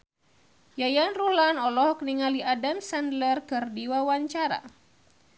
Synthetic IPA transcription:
jajanruhlanɔlɔhkniŋaliadamsandlərkɨrdiwawaɲt͡ʃaɾa̰

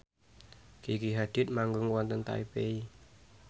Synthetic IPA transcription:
kikiɦad̪̥ɪt̪̚maŋɡʊŋwɔnt̪ənt̪a̰ipei

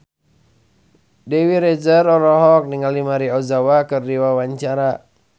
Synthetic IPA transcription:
dɛwiɾɛd͡ʒərɔɾɔɦɔk̚niŋalimaɾiɔzawakɨrdiwawaɲt͡ʃaɾa

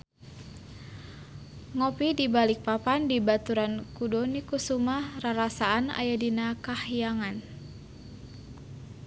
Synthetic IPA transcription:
ŋɔpidibalɪk̚papandibat̪uɾankudɔnikusumahraɾasaːna̰jadinakahijaŋan

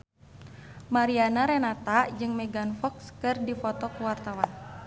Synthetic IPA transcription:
maɾianaɾɛnat̪ad͡ʒɨŋmɛɡanfɔkskɨrdifɔt̪ɔkuwart̪awan

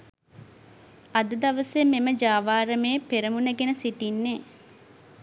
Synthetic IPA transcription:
ɐd̪əd̪ɐʋəsememəd͡ʒaːʋaːɾəmeːpeɾɐmunɐɡenəsiʈinːeː

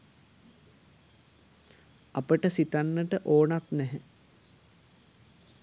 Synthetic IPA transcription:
apəʈəsit̪anːəʈəʔoːnat̪nɛɦə

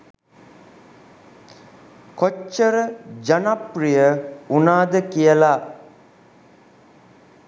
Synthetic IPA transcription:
kot͡ʃːəɾəd͡ʒanaprijəunaːd̪əkijəla

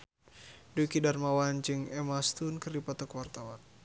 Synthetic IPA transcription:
dukidarmawand͡ʒɨŋɛmast̪unkɨrdipat̪ɔkwart̪awan

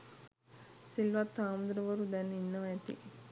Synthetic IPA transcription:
silʋat̪ːaːmd̪uɾəʋəɾud̪ɛnːinːəʋaɛt̪ḭ

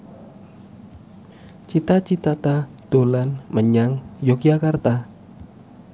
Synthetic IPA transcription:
t͡ʃit̪at͡ʃit̪at̪ad̪̥o̤lanməɲaŋjokjakart̪a

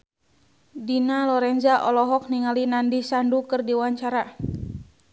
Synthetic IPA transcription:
dinalɔɾɛnd͡ʒaʔɔlɔɦɔk̚niŋalinandisandukɨrdiwaɲt͡ʃaɾa

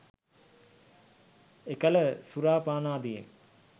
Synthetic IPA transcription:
ekələsuɾaːpaːnaːd̪ijḛn

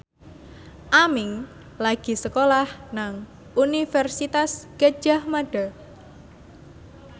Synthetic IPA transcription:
ʔamɪŋ | laɡ̥i̤səkolahnaŋ | unifɛrsit̪askə̥d͡ʒahmaɖ̥a

